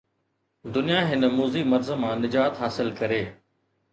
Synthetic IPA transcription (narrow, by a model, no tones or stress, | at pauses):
d̪ʊnijaɦɪnəmuːzimɐɾzəmãːnɪd͡ʑaːt̪ɦaːsɪlkɐɾeː